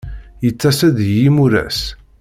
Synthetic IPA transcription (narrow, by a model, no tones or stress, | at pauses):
jət͡sːæsæðjimuɾæ̰s